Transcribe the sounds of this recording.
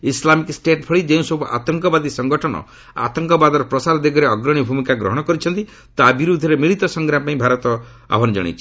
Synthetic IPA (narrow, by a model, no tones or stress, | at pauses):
islamiksʈeʈpʰɔɭid͡ʒeũsɔbʱupɔʔa̰t̪ɔŋkɔbad̪isɔŋɡɔʈʰɔnɔ̰ | a̰t̪ɔŋkɔbad̪ɔɾɔpɾɔsaɾɔd̪eɡʱɔɾeɔɡɾɔɽ̃ibʱumikaɡɾɔ̰ɦɔɽ̃ɔkɔɾit͡ʃʰɔnt̪i | t̪abiɾud̪ʱɔɾemiɭit̪ɔsɔŋɡɾapaĩbʱaɾɔt̪ɔ | a̰bʱɔnd͡ʒɔ̰ɽ̃ḭt͡ʃʰi̥